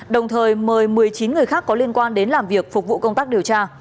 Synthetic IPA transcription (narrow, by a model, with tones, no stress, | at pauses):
ɗə˨˩wŋ͡mt̪ʰəː˨˩jməː˨˩jmɨ˨˩əjt͡ɕi˨˦nŋɨ˨˩əjxaː˦˥kːɔ˨˦li˧ənkwaː˧nɗe˨˦nlaː˨˩mvi˨˩ək̚fʊ˨˩k͡p̚vṵ˧˨kə˧wŋ͡mt̪aː˦˥k̚ɗi˨˩əwt͡ɕaː˧